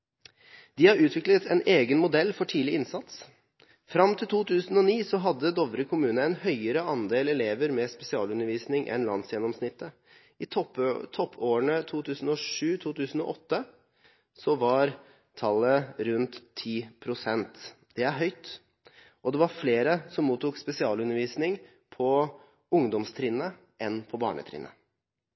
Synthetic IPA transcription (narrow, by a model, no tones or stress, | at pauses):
d̪ɪhɑɾʉːt̪ʰʋɪklət̪ʰɛneːɡənmʊd̪ɛlːfɔʈʰiːlɪɪnsɑt̪s | fɾɑmt̪ʰɪlt̪ʰuːt̪ʰʉːsən̩ɔniːsɔɦɑd̪ːəd̪ɔʋɾəkʰʊmʉːnəɛnhœʏəɾəɑnd̪eːlɛleːʋəɾmɛspɛsɪɑ̰ːlʉnːəɾʋiːsnɪŋʔɛ̰nlɑ̰nsjɛnɔmsnɪt̪ːə | ɪt̪ɔt̪ʰɔpʰːoːəɳət̪ʰuːt̪ʰʉːsən̩ɔʂʉːt̪ʰuːt̪ʰʉːsən̩ɔ̰ʔɔt̪ːə | sɔʋɑɾ | t̪ʰɑlːəɾʉnt̪ʰːiːpʰɾʊsɛnt̪ | d̪̥ɛæɾɦœʏt̪ | ʔɔd̪ɛʋɑɾfleːɾəsɔmːuːt̪ʊkspɛsɪɑːlʉnːəɾʋiːsnɪŋ | pʰɔ | ʊŋd̪ɔmst̪ʰɾɪnːə | ʔɛnpʰɔbɑ̰ːɳə̰t̪ʰɾɪ̰ːnːə̰